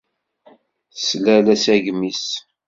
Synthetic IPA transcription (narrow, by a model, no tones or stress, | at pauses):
slælæsæʝmis